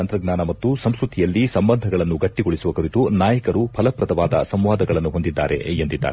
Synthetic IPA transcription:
ɐnt̪ɾɐɡnaːnɐmɐt̪ːusɐmskɾut̪ʰijɐlːisɐmbɐnd̪ʱɐɡɐɭɐnːuɡɐʈːiɡoɭisuʋɐkuɾit̪unaːjɐkɐɾupʰɐlɐpɾɐd̪ɐʋaːd̪ɐ̰sɐmʋaːd̪ɐɡɐɭɐnːuɦo̞nd̪id̪ːaːɾḛjɐnd̪id̪ːa̰ːɾe

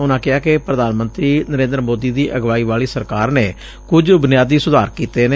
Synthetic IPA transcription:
ʊnãːkɪɦaːkepɾəd̪aːnmənt̪ɾiːnəɾẽːnd̪əɾmoːd̪iːd̪iːʔəɡʋaːiːʋaːliːsəɾkaːɾneː | kʊd͡ʒbʊnɪjaːd̪iːsʊd̪aːɾkiːt̪eːne

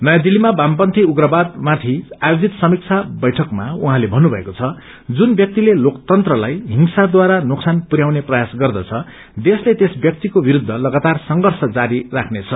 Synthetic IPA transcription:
nʌjad̪ilːimabampʌnt̪ʰiuɡrʌbad̪mat̪ʰiajod͡zit̪sʌmik̚t͡sʰabʌjʈʰʌkmauɦãlebʱʌnːubʱʌekot͡sʰʌ | d͡zunbjʌk̚t̪ilelokt̪ʌnt̪rʌlajɦiŋsad̪waɾanuksanpuɾjawneprʌjasɡʌrd̪ʌt͡sʰʌ | d̪eslet̪esbjʌk̚t̪ikobiɾud̪ʱːʌlʌɡat̪arsʌŋɡʌrsʌd͡zaɾirakʰnet͡sʰʌ

